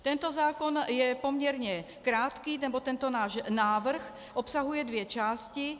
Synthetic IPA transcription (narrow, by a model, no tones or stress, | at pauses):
t̪ɛnt̪ɔzaːkɔnjɛpɔmɲɛɾɲɛ | kɾaːt̪kiːnɛbɔt̪ɛnt̪ɔnaːʒnaːʋr̩x | ʔɔpsaɦujɛd̪ʋɪjɛt͡ʃaːsci